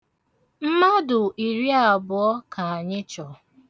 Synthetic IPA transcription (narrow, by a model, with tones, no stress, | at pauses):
m̩˦ma˦dʊ˨ʔi˨ɾi˦a˨bʊ˨ɔ˦ka˨a˨ɲɪ˦t͡ʃɔ˨